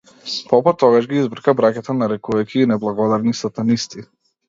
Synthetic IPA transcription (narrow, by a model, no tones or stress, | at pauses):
pɔpɔt̪ɔɡaʒɡiizbr̩kabɾakʲat̪anaɾɛkuvajkʰʲiːnɛblˠaɡɔd̪aɾnisat̪anist̪i